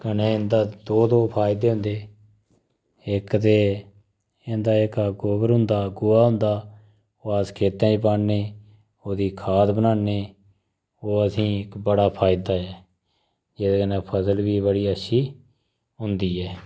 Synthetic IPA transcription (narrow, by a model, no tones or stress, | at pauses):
kəneːɪnd̪aːd̪oːd̪oːpʰaːɪd̪eːɦʊ̃nd̪eː | ɪkt̪eː | ɪnd̪aːɪkaɡoːbəɾɦʊ̃nd̪aːɡʊaːɦʊ̃nd̪aː | oːaːskʰeːt̪ãːt͡ʃpaːɳneː | oːd̪iːkʰaːt̪bənaːneː | oːəsĩːɪkbəɽaːpʰaːɪd̪aːɛː | d͡ʒeːd̪akənẽːpʰəsəlbiːbəɽiːəʃʰiː | ɦʊnd̪iːɛː